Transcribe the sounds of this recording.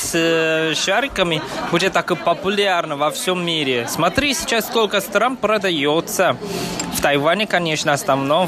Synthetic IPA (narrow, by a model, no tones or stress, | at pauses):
sʂaɾʲɪkəmʲɪbudʲɪt̪ːakopɐpʊlʲarnəvɐfsʲomːʲiɾʲɪsmɐt̪ɾʲisʲɪt͡ɕasːkolʲkəst̪ɾanpɾɐd̪ɐjot̪səft̪ɐjvanʲɪkɐnʲeʂnəɐsnɐvno